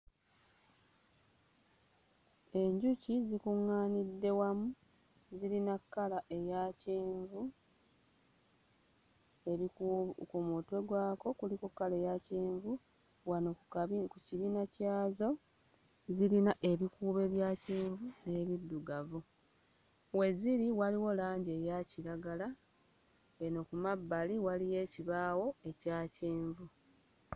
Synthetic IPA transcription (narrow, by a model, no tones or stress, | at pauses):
e̞ɲɟucizikuŋːaːnidːe̞wamu | ziɾinakːalaʔejaceːɱvu | eikumote̞ɡwaːko̞kulikokːale̞ːjaceːɱvu | wanokuciβiːnacaːzo̞ | zilinaʔe̞βikuːβe̞ːβjaːciːɱvune̞βidːuɡavu | we̞ziɾiwaliwo̞laːɲɟe̞jaciɾaɡala | eno̞kumabːaliwalije̞ːciβaːwo̞e̞caːceːɱvu